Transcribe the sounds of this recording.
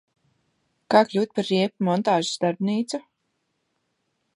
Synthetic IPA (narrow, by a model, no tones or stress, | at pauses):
kaːklʲuːt̪̚paɾːiɛpʲmɔnt̪aːʒu̥sd̪aɾbniːt̪su